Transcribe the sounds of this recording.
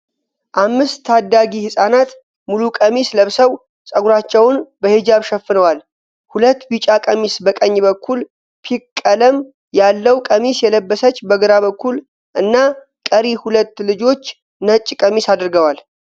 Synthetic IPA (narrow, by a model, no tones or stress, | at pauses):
ʔamːɨst̪ʰːad̪ːaɡihɨsʼanat̪ | mulukʼəmisləβsəw | sʼəɡuɾat͡ʃːɛwʊnbəhed͡ʒaβʃɛfːɨnəwal | hulət̪ːbit͡ʃʼakʼəmisbəkʼəɲːbəkːul | pʰikkʼːələm | jalːəwkʼəmisjɛləbːəsət͡ʃːbəɡɨɾaβəkːul | ʔɨnːa | kʼəɾihulət̪ːlɨd͡ʒo̞t͡ʃː | nət͡ʃʼːkʼəmisad̪ɾɡəwal